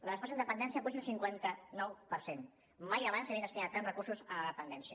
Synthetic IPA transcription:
ləəspasind̪əpənd̪ɛnsiapusunsiŋkwɛnt̪ənɔwpəɾsen | majaβansaβinəst̪inat̪ːanrəkursuzələðəpənd̪ɛnsiə

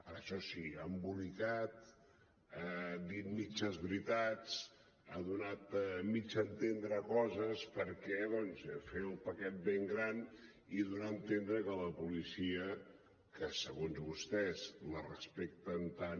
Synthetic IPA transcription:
əɾəʃɔsiambulikat̪ | ad̪it̪̚mit͡ʃəzβɾit̪at͡s | aðunat̪mit͡ʃənt̪end̪ɾəkɔzəspəɾkɛðɔnzfeulpəkɛt̪̚beŋɡɾan | iðunaənt̪end̪ɾəkələpulisiə | kəsəɣonzβust̪ɛzlərəspek̚t̪ənt̪an

